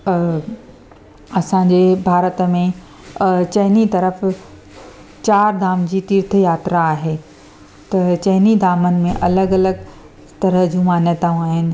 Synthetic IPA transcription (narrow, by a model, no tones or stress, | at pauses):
ɐsãːɲd͡ʑebʱaːɾət̪mẽ | t͡ɕɐɦɪnit̪ɐɾəf | t͡ɕaːɾd̪ʱaːmd͡ʑiːt̪iɾt̪̆ʰjaːt̪ɾaːɦeː | t̪ɐt͡ɕɐɦɪnid̪ʱaːmənɪ̆mẽʔɐləɡɐləɡ | t̪ɐɾəɦd͡ʑũːmaːnjət̪aũaːɦɪnɪ̆